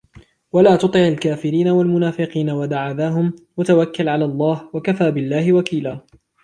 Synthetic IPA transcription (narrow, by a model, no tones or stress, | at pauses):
walaːt̪ʊt̪ˤɪʕalkaːfɪɾiːnawalmʊnaːfɪqiːnawad̪aʕaðaːɦʊmwat̪awakːalʕalaːlˤːɑːhwakafaːbɪlːaːhɪwakiːlaː